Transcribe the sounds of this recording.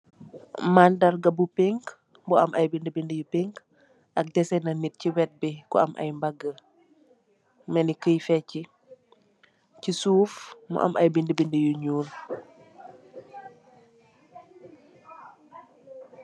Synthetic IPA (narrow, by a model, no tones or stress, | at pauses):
mandɐɾɡɐbupeŋk | bɔɐmʔɐjbindəbindəjupeŋk | ɐk̚dɛsɛnɐnit̚ciwɛt̚bikɔ̰ɐmʔɐ̰jmbɐɡːə | mɛnikəjfɛci | cisuːfmɔ̰ʔɐ̰mʔɐjbindəbindəjuɲuːl